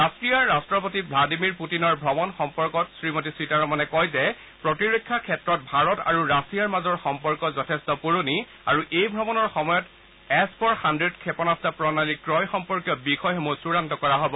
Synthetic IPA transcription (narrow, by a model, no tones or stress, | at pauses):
ɹastɹijaɹːastɹɔpotibladimiɹputinɔɹbʱɹɔmɔnxɔmpɔɹkɔtsɹimot̬isɹitaɹɔmanɛkɔjzɛ | pɹɔtiɹokʰːakʰɛtɹɔt̚bʱaɹɔta̰ɹuɹasijaɹmazɔɹxɔmpɔɹkɔzɔtʰɛstɔpuɹoni | aɹuʔejbʱɹɔmɔnɔɹxɔmɔjɔt | ɛspʰɔɹxandɹedkʰɛpɔnastapɹɔnalikɹɔjxɔmpɔɹkjɔbixɔjxɔmusuɹantɔkɔɹaɦɔbɔ